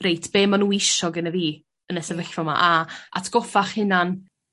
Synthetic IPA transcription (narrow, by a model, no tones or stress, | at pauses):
rejtʰb̥eːmːanuːɪʃɔɡənəviː | ənəsɛvəɬvɔma̰ʔaa̰tʰɡ̥ɔfaχhɪnan